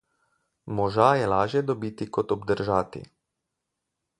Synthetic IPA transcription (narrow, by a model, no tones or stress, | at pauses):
mɔʒajɛlaːʒjɛd̪ɔbiːt̪ikɔt̪ɔbd̪əɾʒaːt̪ḭ